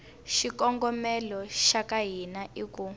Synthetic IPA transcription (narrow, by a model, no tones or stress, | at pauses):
ʃikɔŋɡɔmɛlɔʃakaɦinaʔiku